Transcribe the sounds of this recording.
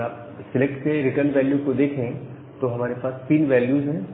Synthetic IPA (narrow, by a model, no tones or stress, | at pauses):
aːp | sɪlekʈseɾɪʈəɾnʋɛːljukod̪eːkʰẽ | t̪oɦɐmaːɾepaːst̪iːnʋɛːljuːzɦɛ̃ː